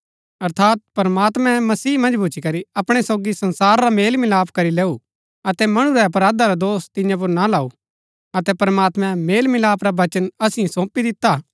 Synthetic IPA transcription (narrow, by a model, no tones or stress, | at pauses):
ɐɾt̪ʰaːt̪̚pɐɾmaːt̪mɛ̃mɐsiːmɐ̃nd͡ʒbʱut͡ʃʰikɐɾiɐpɽ̃esoɡisɐ̃nsaːɾːameːlmɪlaːpʰkɐɾileːu | ɐt̪ɛmɐɽ̃uɾɛp̬ɐɾaːd̪aɾad̪oːst̪ɪ̃jãp̬ʊɾnalaːu | ɐt̪ɛpɐɾmaːt̪mɛ̃meːlmɪlaːpʰɾabɐt͡ʃənɐsɪẽsõːpid̪ɪt̪ːa